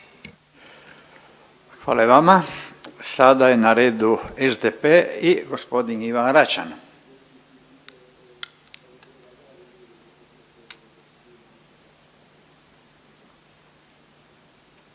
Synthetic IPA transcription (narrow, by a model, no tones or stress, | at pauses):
xʋa̰ːlaeʋamasad̪aje̞naɾeːd̪uezd̪epeiɡospo̞d̪iniʋanɾat͡ʃa̰n